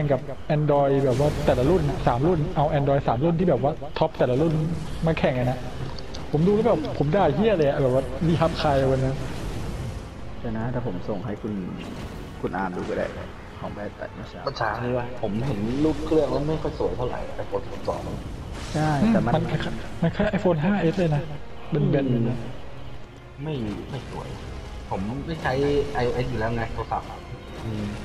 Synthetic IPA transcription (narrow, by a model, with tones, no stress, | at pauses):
ɛ˨˩ŋka˨˩p̚ʔɛː˧ndɔː˧jbɛː˨˩p̬̚waː˥˩t̪ɛː˨˩la˧lu˥˩na˧saː˩˦mlu˥˩nʔa˧wʔɛː˧ndɔː˧jsaː˩˦mlu˥˩niː˥˩bɛː˨˩p̚waː˥˩t̪ʰɔ˦˥p̚t̪ɛː˨˩la˧lu˥˩nmaː˧kʰɛ˨˩ŋʔa˧na˧˦ʔ | pʰo˩˦mduː˧lɛ˦˥bɛː˨˩pʰːo˨˩˦mdaː˧˩t̪ʰiː˥˩˨la˧ja˨bɛː˨˩wa˥˩liː˧˩ɦa˦˥p̚kʰaː˧jʔa˧wa˧nːa˦˥˧ | t͡ɕɛː˧˩na˧˦˥t̪ʰɛː˧˨˩pʰo˩˦mso˨˩ŋɦa˥˩jkʰu˧n | kʰu˧nʔaː˧mduː˧ka˧da̰˧˩ | kʰɔː˩˦ŋbɛː˥˩t̚t̪a̰˨˩t̚ma˦˥˩t͡ɕʰa˦pa˧t͡ɕʰaː˧˥niː˦˥wa˧˥˩pʰo˩˦mh̪ʰe˩˦nluː˥˩p̚kʰlɯ˥˩əŋla˧˥ma˥˩jkʰɔ˥˩jsu˨˩˦əjt̪ʰwɾa̰˨˩˦jt̪ɛː˨˩pʰo˨˦npʰo˨˩˦sɔ̰ː˩˦ŋ˧t͡ɕʰa˥˩jɯː˧˩ɛː˨˩ma˧ma˧nʔa˧˩a˥ma˧nkʰaː˥˩jʔa˧jfoː˧nɦaː˥˩ʔe˦˥t̪̚leː˧jna˦˥ | be˧nbe˧˩nː˨˩na˦˥ | ma˥˩jma˥˩jsu˨˩˦əj | pʰo˩˦mːa˥˩jt͡ɕʰa˦˥jʔa˧jʔoː˧ʔe˦˥s̬̚ju˨lɛː˦˥˩wŋaː˧nt̪ʰɐsa˨˦p̚ | ʔɯː˧˩m